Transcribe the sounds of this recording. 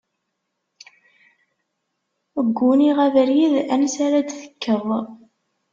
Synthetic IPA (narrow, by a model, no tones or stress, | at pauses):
əɡʷːuniʁævəɾjiðænsaɾæd̪θə̥kːəvˤ